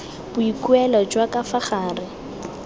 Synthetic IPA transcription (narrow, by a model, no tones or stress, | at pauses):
b̥ʊikuɛlɔd͡ʒwakafaχaːrɪ